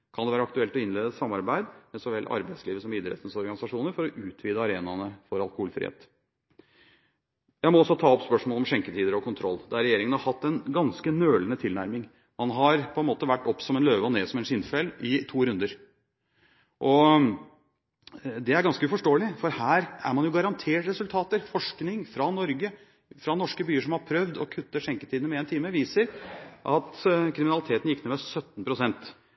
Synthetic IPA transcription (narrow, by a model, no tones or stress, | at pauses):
kʰɑnd̪ɛʋæːɾɑkt̪ʉɛlt̪ɔɪnleːd̪əsɑmːɑɾbæɪd̪mɛsɔʋɛlʔɑ̰ɾbæɪsliːʋəsɔmiːd̪ɾɛ̰t̪nsɔɾɡɑnɪsɑʂuːnəɾfɔɾɔʔʉːt̪ʰʋiːd̪əɑɾeːnɑnəfɔɾɑlˠkʊhuːlfɾɪ̰hḛːt̪ | jæɪmɔɔsɔt̪ʰɑːɔpspœʂmoːlɔmʂɛŋkət̪ʰiːd̪əɾɔkʰʊnt̪ʰɾɔlːd̪ɛæɾɛjeːɾɪŋənhɑɾhɑt̪ːɛnɡɑnskənøːlənət̪ʰɪlnæɾmɪŋ | mɑnɦɑɾpʰɔɛnmoːt̪əʋæʈːɔpːsɔmɛnløːʋəɔneːsɔmɛnʂɪnfɛlɪt̪ʰuːɾʉnd̪əɾ | ʔɔ | d̪ɛæɾɡɑnskəʉfɔʂʈoːlɪfɔɾhæːɾæ̰ɾmɑnjʊɡɑɾɑnt̪ʰeːʈɾɛsʉlt̪ʰɑːt̪əɾfɔʂknɪŋfɾɑnɔɾɡə | fɾɑnɔʂkəbyːəʂɔmhɑɾpʰɾœʋd̪ɔkʰʉt̪ːəʂɛŋkə̥t̪ʰiːd̪nəmɛeːnt̪ʰiːməʋiːsəɾʔɑt̪kʰɾɪmɪnɑlɪt̪ʰeːt̪n̩jɪkːneːmɛsœt̪ːn̩pʰɾʊsɛnt̪